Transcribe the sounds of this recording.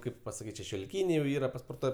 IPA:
ˈkɐɪp pɐsɐˈkʲiːtʲ ʃʲɛʃʲoːlʲɪˈkʲiːnʲɛɪ jɛʊ ˈiːrɐ pɐspoːrˈtuɔj

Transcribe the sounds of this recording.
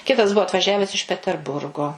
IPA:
ˈkʲɪtɐs ˈbuɔ ɐtʋɐˈʒʲæːʋʲɛs ɪʃ pʲɛtʲɛrˈbʊrɡoː

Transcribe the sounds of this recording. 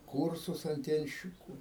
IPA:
ˈkuːrsʊs ɐnʲˈtʲiɛnʲʃʲt͡ʃʲɪkʊ

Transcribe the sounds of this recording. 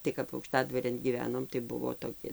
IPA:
tɐɪ kɐp ɐʊkˈʃtɑːdʋɐrʲeːn ɡʲiːˈʋʲæːnoːm tɐɪ ˈbʊʋoː toːˈkʲɪ

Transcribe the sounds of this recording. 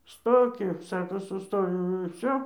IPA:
ˈstoːkʲɪ ˈsɑːkoː sʊˈstoːjɛʊ ɪr ˈʋʲsʲoː

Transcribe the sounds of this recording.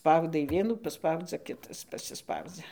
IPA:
ˈspɐʊdɐɪ ˈʋʲiɛnuː pɐˈspɐʊd͡zʲɛ ˈkʲɪtɐs pɐsʲɪˈspɐʊd͡zʲɛ

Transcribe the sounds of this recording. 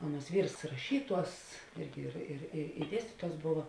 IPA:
ˈɑːˌnuɔs ˈʋʲiːrs rɐˈʃʲiːˌtuɔs ˈɪrʲɡʲɪ ɪr ɪr ɪ ɪ ˈdʲiɛsʲtʲiːtuɔs ˈboːʋɐ

